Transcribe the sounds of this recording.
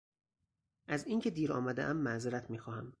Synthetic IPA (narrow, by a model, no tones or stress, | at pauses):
ʔæziːŋcʰe̞d̪iːɾɒ̰ːmæd̪eʔæmːæzeɾæt̪ʰmiːxɒːhæm